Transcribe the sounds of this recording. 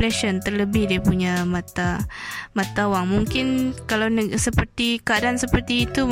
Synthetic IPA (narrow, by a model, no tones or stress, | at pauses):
lɛʃɔnt̪ərləbɪhdiapuɲamat̪amat̪awaŋmuŋkɪnkalawnəsəpərt̪ikəadaansəpərt̪iːt̪u